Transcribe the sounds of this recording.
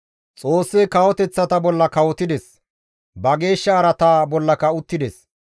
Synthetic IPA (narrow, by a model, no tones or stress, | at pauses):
t͡sʼo̞ːsːɛkɐwɔt̪ɛt͡sːɐt̪ɐbɔlːɐkɐwɔt̪ɪd̪ɛs | bɐɡe̞ːʃːɐːɾɐt̪aːbɔlːɐkɐʊt̪ːɪd̪ɛs